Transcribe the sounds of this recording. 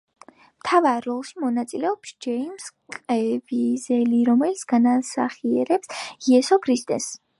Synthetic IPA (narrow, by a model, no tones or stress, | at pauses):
mt̪ʰavaːɔlˠʃimɔnat̪sʼilɛɔpsd͡ʒɛimskʼɛvizɛliɾɔmɛlit̪sʰɡ̥anasa̰χiɛɾɛpsiɛsɔkʰɾist̪ʼɛ̰s